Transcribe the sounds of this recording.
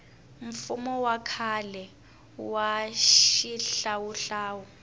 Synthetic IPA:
ɱ̩fumɔwakʰalɛ | waʃiɬawuɬaːwu

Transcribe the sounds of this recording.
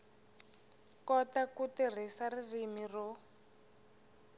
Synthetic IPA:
kɔtakutir̤isaririmirɔ

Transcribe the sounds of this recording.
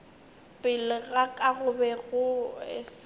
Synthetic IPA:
pʼɪlɪɣakʼaɣʊbɛɣʊɪ̰s

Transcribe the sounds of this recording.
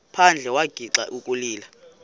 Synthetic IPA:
pʰand͡ɮʱɛwaɡ̥ʱiǁa̰ʔukʼuliːla

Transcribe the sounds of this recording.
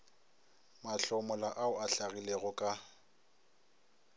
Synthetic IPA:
maɬɔmɔlaʔaʊaɬaɣileɣʊkʼa

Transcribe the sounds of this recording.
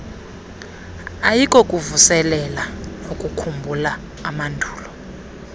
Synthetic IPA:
ajikʼɔkʼuvusɛlɛlaokʼukʰumbʱulaː | mandʱuːlɔ

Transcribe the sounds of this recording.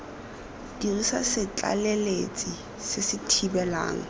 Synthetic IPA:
d̥irisasɪt͡ɬʼa̰lelet͡sʼi | sɪsɪtʰibɛla̰ːŋ̩

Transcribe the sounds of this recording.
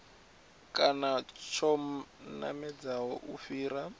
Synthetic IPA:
kʼanat͡ʃʰɔm̩na̰mɛd͡zawɔʔufiːɾa

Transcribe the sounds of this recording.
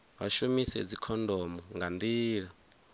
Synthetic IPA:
wa̰ʃumisɛ̰d͡zikʰɔndɔmɔŋɡand̪iːɺa

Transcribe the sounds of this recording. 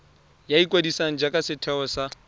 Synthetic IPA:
jaikʼwadisaŋ̩d͡ʒakʼasɪtʰɛɔsa

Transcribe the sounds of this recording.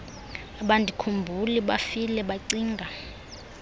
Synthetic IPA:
aɓandʱikʰumbʱuliɓafilɛɓaǀiːŋɡʱa

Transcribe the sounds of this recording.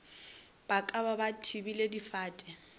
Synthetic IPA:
b̥akʼababatʰibiledifaːtʼɛ

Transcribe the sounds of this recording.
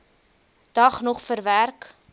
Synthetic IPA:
d̥ɐχnɔχfəɾværk

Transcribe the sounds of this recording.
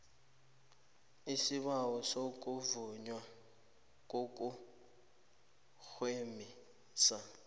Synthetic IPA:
isiβawɔsok̬ʼuvuɲwa | k̬ʼok̬ʼu | xwemi | sa

